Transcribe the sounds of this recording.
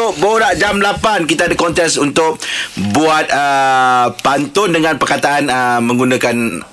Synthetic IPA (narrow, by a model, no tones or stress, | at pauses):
ʊk̚boɾaʔd͡ʒamlapankit̪adakɔnt̪ɛksunt̪ʊk̚buat̪̚ə | pant̪ʊndəŋãnpərkat̪aʔanəmə̃ŋɡunãkan